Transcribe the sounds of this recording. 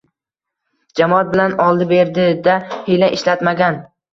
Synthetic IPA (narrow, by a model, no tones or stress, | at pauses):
d͡ʒamɒat̪̚bɪlanɒlˠd̪ɪbe̞ɾd̪ɪd̪ahejlaʔɪʃlat̪maɡʲan